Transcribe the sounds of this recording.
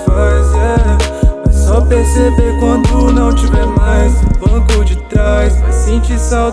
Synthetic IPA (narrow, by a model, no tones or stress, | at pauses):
pazɛ | ɛsɔpeɾsebeɾkwɐ̃d̪ʊnɐ̃w̃t͡ʃivɛɾmajzʊbɐ̃kʊd͡ʒɪt̪ɾajsasĩt͡ʃisaw